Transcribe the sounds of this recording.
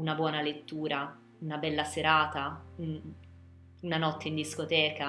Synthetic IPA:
unabwɔːnalet̪ːuːɾa | unabɛlːaseɾaːt̪aun | unanɔt̪ːeind̪iskot̪ɛːka

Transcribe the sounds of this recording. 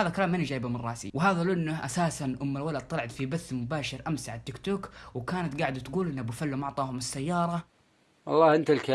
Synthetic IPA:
aːðalkalaːmʔɪnːid͡ʒaːjbamɪrˤːɑːsḭwɪɦaːðalʔɪnːʊʔasaːsanʔʊmːalwalad̪̚t̪ːˤɑlʕat̪fibaθːmʊbaːʃɪɾʔamsaʕat̪ːɪkt̪oːkwɪkaːnat̪ɡaːʕɪd̪t̪ɡuːlʔɪnːabɪfalːumɑʕt̪ˤɑːhʊmɪsːajːɑːɾˤɑ | wɑ̰lˤːɑːhʔɪnt̪alka

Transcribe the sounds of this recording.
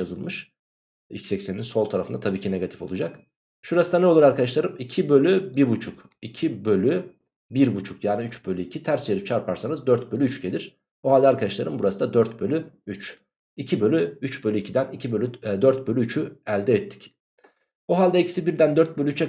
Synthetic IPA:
azɯlˠmɯʃ | ḭcsɛcseninso̞lˠt̪ʰaɾafɯnd̪at̪ʰabiːcʰine̞ɡat̪ʰi̥fo̞lˠud͡ʒak | ʃuɾasɯd̪anɛo̞lˠuɾaɾkʰad̪aʃlˠaɾɯmicʰibø̞lʲybiɾbut͡ʃʰuk | icʰibø̞lʲy | biɾbut͡ʃʰukjaːniyt͡ʃbø̞lʲyicʰit̪ʰæɾsjeɾip̚t͡ʃʰaɾpʰaɾsanɯzd̪øɾt̪̚bølʲyyt͡ʃɟelʲiɾ̥ | boɦalʲd̪ɛaːɾkʰad̪aʃlˠaɾɯmbuɾasɯd̪ad̪øɾt̪̚bø̞lʲyyt͡ʃ | icʰibø̞lʲyyt͡ʃbølʲyicʰid̪ænicʰibø̞lʲyd̪øɾt̪̚bø̞lʲyyt͡ʃʰyælʲd̪ɛɛt̪ʰːi̥c | oɦalʲd̪ɛicʰisibiɾd̪ænd̪øɾt̪̚bø̞lʲyyt͡ʃʰɛ

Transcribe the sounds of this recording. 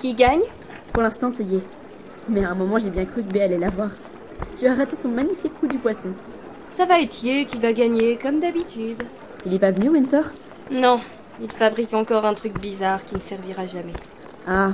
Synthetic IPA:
kʲiɡaɲ | puʁlɛ̃st̪ɑ̃saje | mɛɛ̃mɔmɑ̃ʒebjɛ̃kχykbealɛlavwaʁ | t̪yaʁɛt̪esɔ̃maɲifikːud̪ypwasɔ̃ | savaɛt̪ʰjekʲivaɡaɲekɔmd̪abit̪ʰyd̪ | ilɛpavənywint̪ɔʁ | nɔ̃ | ilfabʁikɑ̃kɔʁɛ̃t̪χykbizaʁkʲinəsɛʁviʁaʒamɛ | a

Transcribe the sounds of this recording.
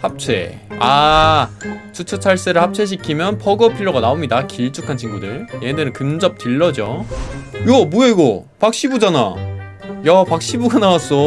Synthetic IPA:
hap̚t͡ɕʰḛ | a | t͡ɕʰut͡ɕʰut͡ɕʰaɭs͈eɾɯɭhap̚t͡ɕʰe̞ɕ̬ʰikʰimjʌnpʰʌɡʌpʰiɭːoɡanaomɲidakiɭt͡ɕ͈ʰukʰant͡ɕʰiŋɡudɯɭjenɯɾɯnkɯmd͡ʑʌp̚tɯɭːʌd͡ʑo | jʌbueɡo | pak̚ɕ͈ibud͡ʑana̰ | jʌpak̚ɕ͈ibuɡanawas͈o

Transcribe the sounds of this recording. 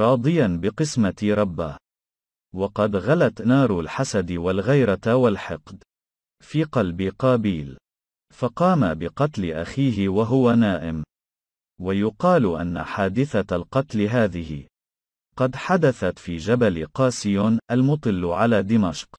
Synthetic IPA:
ɾˤɑːd̪ˤɨjanbɪqɨsmaɾˤɑbːaː | wɑqɑd̪ɣalat̪nɑːɾˤalħasad̪ɪwalɣajɾˤawalħɪqd̪ | fiːqɑlbɪqɑːbiːl | fɑqɑːmabɪqɑt̪lɪʔa̰xiːɦɪwaɦʊwanaːʔɪm | wajʊqɑːlʔa̰nːa̰ħaːd̪ɪθalqɑt̪lɪɦaːðɪhɪ̰ | qɑd̪ħad̪aθat̪fiːd͡ʒabalɪqɑːsɪjoːnʔalmʊt̪ˤɨlːʕalaːd̪ɪmaʃq

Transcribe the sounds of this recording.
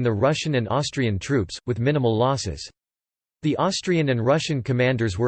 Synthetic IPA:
nðɨɹʌʃɨ̃nɨ̃nɔstɹ̥iɨ̃ntʰɹ̥ʉpswɨðmɪ̃ñəml̩ˠlɔsɪ̰z̥ | ðiʔɔstɹ̥iɨ̃nɨ̃nɹʌʃɨ̃nkʰɨmæ̃ndə˞zwə˞

